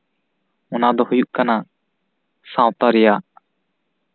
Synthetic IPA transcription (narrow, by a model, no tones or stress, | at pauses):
ɔnad̪ɔhujuʔkana | sãw̃t̪aɾɛja